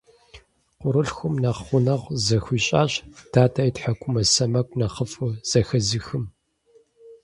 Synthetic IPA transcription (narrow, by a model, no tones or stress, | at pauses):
qʷʊɾɨɬxʷʊmnɐχχʷʊnɐʁzɐxʷiːɕʼa̰ːɕtʰaːtʰaːjtħakʷʰʊmɐsɐmɐkʷʼnɐχəfɨz̥ɐxɐzɨxɨm